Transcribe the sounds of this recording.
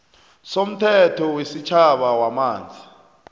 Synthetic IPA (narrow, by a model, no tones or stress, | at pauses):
som̩tʰɛtʰɔwesit͡ʃʰaɓawamaːnd͡zʱi